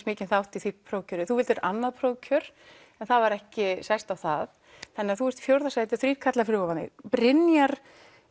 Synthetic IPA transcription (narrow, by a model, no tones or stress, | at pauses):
t̪mɪːcɪnθawht̪iθipʰɾowcʰœɾɪθuvɪlt̪ɛɾanːaðpʰɾowcʰœɾ̥ | ɛnθaðvaɾɛhcɪsajst̪awθað | θɛnːɪaθuɛɾ̥t̪fjowɾðasajt̪ɪθɾiːɾ̥kʰat̪lafɾʏːavanɪ̰pɾɪnjaɾ̥